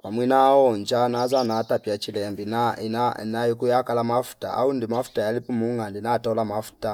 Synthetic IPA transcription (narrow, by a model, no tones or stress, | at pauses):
wamwinawɔnd͡ʒanazanatapjat͡ʃilɛmbinaḭnanajikujakalamafu̥ta̰ʔa̰undimafu̥tajalipumuŋandinatɔlamafu̥ta